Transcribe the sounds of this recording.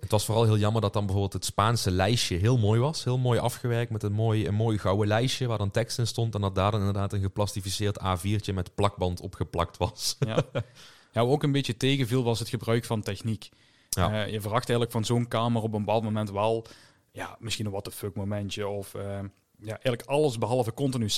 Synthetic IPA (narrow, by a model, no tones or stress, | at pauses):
ətʋɑsfoːrɑlˠɦɪːlˠjɑməɹdɑt̚dɑnbəvoːɹbɪːlˠtɦətspaːnsəlɛjʃəɦɪːlˠmoːjʋɑsɦɪːlˠmoːjʔɑfxəʋɛɹk̚tmɛtɦətmoːjənmoːjɣɑwəlɛjʃəʋaːɹdɑntɛkstɪnstɔntɛndɑt̚daːɹdɑnɪndərdaːtənɣəplɑstifisɪːɹtaːviːɹt͡ʃəmɛtplɑɡ̚bɑntɔ̰pxəplɑk̚tʋɑs | jaːokənbetjətejɣəvilˠʋɑsɦətxəbrœɥkfɑntɛxnikː | jəvərɑxtɛjɣələkfɑnzoːnkaːmərɔpəmpɑːlˠdmomɛntʋɛlˠ | jaːmɪsxinɔxʋɑtəføkmomɛntəɔfə | jaːʔɛɣələkɑlˠəsbəɦɑlˠvəkɔntinys